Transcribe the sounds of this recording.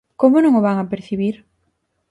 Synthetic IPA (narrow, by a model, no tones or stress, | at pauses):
komʊnõŋʊβaŋapeɾθiβiɾ